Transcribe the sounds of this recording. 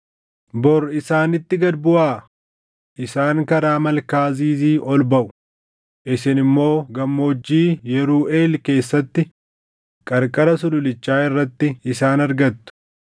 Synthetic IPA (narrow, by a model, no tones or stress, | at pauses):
bɔɾɪsaːnɪt̪ːɪɡɐd̪bʊʔaː | ʔɪsaːŋkɐɾaːmɐlkaːziːziːʔɔlbɐʔʊ̥ | ʔɪsɪnɪmːo̞ːɡɐmːo̞ːd͡ʒːiːjɛɾuːʔe̞ːlke̞ːsːɐt̪ːɪ | kʼɐɾkʼɐɾɐsʊlʊlɪt͡ʃːaːɪrːɐt̪ːɪɪsaːnɐɾɡɐt̪ːʊ̥